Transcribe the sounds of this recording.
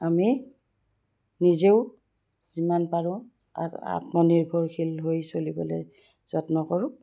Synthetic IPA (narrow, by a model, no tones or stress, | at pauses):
ami | nizeʊ | zimanpaɹʊ̰̃ | a̰tmɔniɹbʱɔɹkʰilɦojsolibɔ̰loj | z̥ɔtnɔkɔɹʊ̃